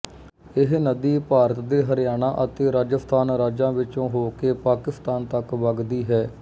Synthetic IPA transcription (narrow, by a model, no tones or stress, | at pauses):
ɪɦnəd̪iːpaːɾət̪d̪eːɦəɾɪjaːnãːʔət̪eːɾaːd͡ʒəst̪ʰaːnɾaːd͡ʒãːʋɪt͡ʃõːɦoːkeːpaːkɪst̪aːnt̪əkʋəɡd̪iːɦɛː